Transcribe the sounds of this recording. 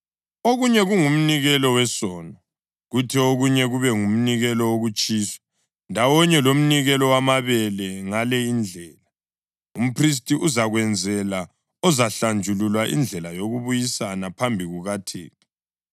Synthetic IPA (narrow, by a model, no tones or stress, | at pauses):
oɣuɲɛɣuŋum̩niɣɛlɔwɛsɔːnɔ | ɣutʰioɣuɲɛɣuβɛŋum̩niɣɛlɔwoɣut͡ʃʼiːsɔ̥ | ndʱawɔɲɛlom̩niɣɛlɔwamaβɛlɛŋalɛind͡ɮʱɛːla | um̩pʰris̬tʼiʔuzaɣwɛnd͡zʱɛla | ɔzaɬand͡ʒʱululwaʔḭnd͡ɮʱɛlajoɣuβujisanapʰambʱiɣuɣatʰḛːti̥